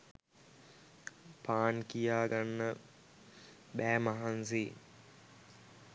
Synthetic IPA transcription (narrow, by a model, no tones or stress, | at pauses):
paːnkijaːɡanːə | bæːmaɦans̬e